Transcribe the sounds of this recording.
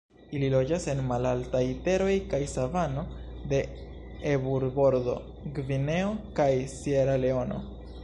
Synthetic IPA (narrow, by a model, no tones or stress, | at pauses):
ililo̞d͡ʒase̞nmalaltajte̞ɾo̞jkajsavano̞ | de̞ | ebuɾbo̞ɾdo̞̰ | ɡvine̞okajsieɾale̞o̞no̞̰